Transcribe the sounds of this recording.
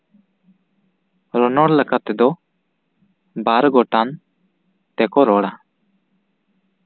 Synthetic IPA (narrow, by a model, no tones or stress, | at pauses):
ɾɔnɔɽləkat̪ɛd̪ɔ | baɾɡɔʈan | t̪ɛkɔɾɔɽa